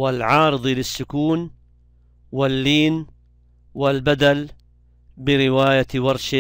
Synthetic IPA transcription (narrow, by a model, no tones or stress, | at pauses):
wɪlʕɑːɾɨðˤilɪsːʊkuːn | wɪlːiːn | wɪlbad̪al | bɪɾɪwaːjat̪wɑɾˤʃɪ